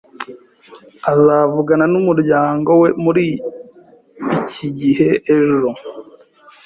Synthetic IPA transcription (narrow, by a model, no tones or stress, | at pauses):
azaːvuɡananumuɾɟaːŋɡo̞we̞muɾi | ciɟiɦe̞ʔeʒo̞